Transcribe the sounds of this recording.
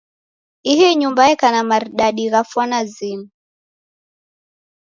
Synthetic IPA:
iɦiɲumbaɛkanamaɾɗaɗiɣafwanazinu

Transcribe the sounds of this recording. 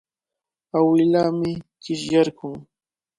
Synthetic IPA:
awɪlaːmɪkɪʃjaɾkʊŋ

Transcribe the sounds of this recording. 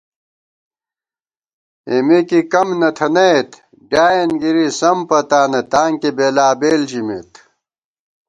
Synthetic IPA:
emikikɐmnɐt̪ʰɐnɐet̪ | ɖaːjenɡiɾisɐmpɐt̪aːnɐt̪aːŋkibeːlaːbeːld͡ʑimḛt̪

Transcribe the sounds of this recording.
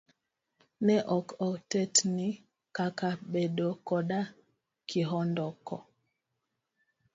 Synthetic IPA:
nɛʔɔkɔtɛtni | kakaɓɛɗɔkɔɗa | kiɦɔndɔkɔ̰

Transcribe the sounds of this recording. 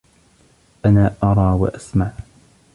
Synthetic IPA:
ʔanaːʔɑɾˤɑːwa̰ʔasmaʕ

